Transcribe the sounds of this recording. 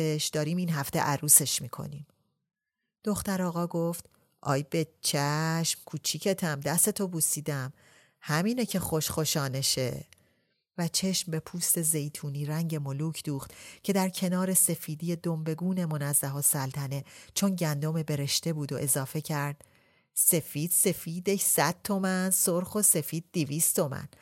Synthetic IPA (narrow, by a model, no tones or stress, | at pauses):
eʃd̪̥ɒːɾiːmiːnɦæft̪ḛʔæɾuːse̞ʃmiːkʰo̞̰niːm | d̪̥o̞xt̪æɾɒːɣɒːɡoft̪ | ʔɒ̰ːjbe̞t͡ʃʰæʃmkʰuːt͡ʃʰicʰe̞t̪ʰæmd̪æst̪e̞t̪ʰo̞buːsiːd̪æm | hæmiːnecʰe̞xo̞ʃχo̞ʃɒːne̞ʃe | væt͡ʃʰe̞ʃmbe̞pʰuːst̪e̞ze̞jt̪ʰuːniːɾæŋɟe̞mo̞luːcʰd̪uːχt̪cʰe̞d̪æɾcʰe̞nɒːɾe̞se̞fiːd̪ije̞d̪ombe̞ɡuːne̞mo̞næzːæɦɒːsælt̪ʰæne̞t͡ʃʰo̞nɟænd̪o̞mebe̞ɾe̞ʃt̪ebuːd̪o̞̰ʔe̞zɒːfe̞cʰæɾd̪̥ | se̞fiːd̪̥se̞fiːd̪eçsæd̪̥̚t̪ʰo̞mænsoɾxo̞se̞fiːd̪̥̚ːiviːst̪t̪ʰo̞mæ̰n